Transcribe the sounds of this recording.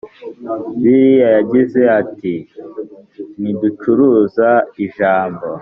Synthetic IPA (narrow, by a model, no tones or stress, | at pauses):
biɾijajaɟize̞ati | nidut͡ʃuɾuːzaiʒaːmbo̞